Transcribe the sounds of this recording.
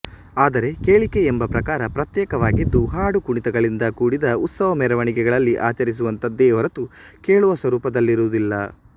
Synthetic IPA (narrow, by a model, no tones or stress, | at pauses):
aːd̪ɐɾe̞ke̞ːɭike̞ːmbɐpɾɐkaːɾɐpɾɐt̪jɛːkɐʋaːɡid̪ːuɦaːɽukuɳit̪ɛɡɐɭind̪ɐkuːɽid̪ɐut̪sɐʋɐmɛːɾɐʋɐɳikɛɡɐɭɐlːiʔaːt͡ʃɐɾis̬uʋɐnt̪ɐd̪ːeːɐɾɐt̪u | ke̞ːɭuʋɐsʋɐɾuːpɐd̪ɐlːiɾud̪ilːɐ̰